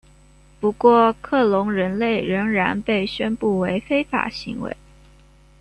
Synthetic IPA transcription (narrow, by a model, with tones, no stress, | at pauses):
pu˧˥kwɔ˥˧kʰɤ˥˩lʊ˧˥ŋɻə˧˥nle˥˩ɪɻə˧˥ŋɻa˧˥npe˥˩ɪɕɥɛ˥npu˥˩we˧˥ɪfe˥ɪfa̰˨˩ɕi˧˥ŋwḛ˧˥ɪ